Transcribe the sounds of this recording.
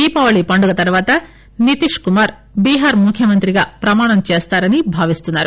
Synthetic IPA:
iːpɐʋɐɭipɐɳɖuɡɐt̪ɐɾʋaːt̪ɐ | nit̪iʂkumaːɾ | biːɦaːɾmukʰjɐmɐnt̪ɾiɡɐpɾɐmaːɳ̃ɐmt͡ʃeːst̪aːɾɐnibʱaːʋist̪unːaːɾu

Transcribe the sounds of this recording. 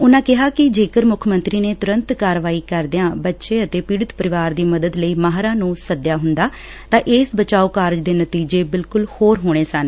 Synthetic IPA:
ʊnãːkɪɦaːkɪd͡ʒeːkəɾmʊkʰmənt̪ɾiːneːt̪ʊɾə̃nt̪kaːɾʋaːiːkəɾd̪ɪãːbətːʃeːət̪eːpiːɽɪt̪pəɾɪʋaːɾd̪iːməd̪əd̪ləiːmaːɦɾãːnũːsəd̪jaːɦʊnd̪aː | t̪ãːʔɪsbət͡ʃaːoːkaːɾd͡ʒd̪eːnət̪iːd͡ʒeːbɪlkʊlhoːɾɦoːɽ̃eːsən

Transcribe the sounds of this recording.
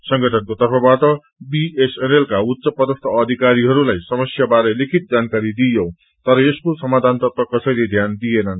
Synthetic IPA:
sʌŋɡʌʈʰʌnkot̪ʌrpʰʌbaʈʌ | biesenelkaut̪ːsʌpʌd̪ʌst̪ʰʌːd̪ʱikaɾiɦʌɾulajsʌmʌsjabaɾelikʰit̪̚d͡zankaɾid̪ijõw̃ | t̪ʌɾʌeskosʌmad̪ʱant̪ʌt̪ʌkʌsʌjled̪ʱjand̪ijenʌn

